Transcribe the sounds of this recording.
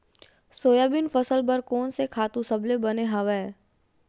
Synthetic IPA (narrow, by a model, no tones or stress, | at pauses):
soːjaːbɪnfəsəlbəɾkɔːnsekʰaːt̪ũsɐblebɐneɦɐʋɛː